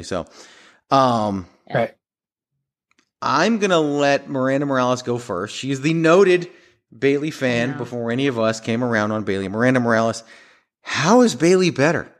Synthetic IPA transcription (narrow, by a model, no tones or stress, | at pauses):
isoʊ | ʌ̃m | ʔã̰ɪ̃mɡʌnəlɛt̚mə˞æ̃ndəmə˞ælˠəsɡ̥oʊfɜ̰˞stʃiɨzðɨnoʊɾɪd̚ | beɪlˠifæ̃nbəfɔɹɛɾ̃iʌvʌskʰẽɪ̃mə˞ãʊ̃ndn̩beɪlˠimə˞æ̃ndəmə˞ælˠəs | haʊɨzbeɪlˠibɛɾə̰˞